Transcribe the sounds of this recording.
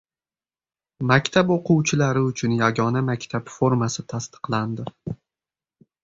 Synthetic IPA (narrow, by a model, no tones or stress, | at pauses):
makʲt̪ʰapoqʊwt͡ʃʰɪlaɾɪʊt͡ʃʰʊnjaɡɒnamakʲt̪ʰapfo̞ɾmasɪt̪ʰast̪ɨ̥qlˠand̪ɪ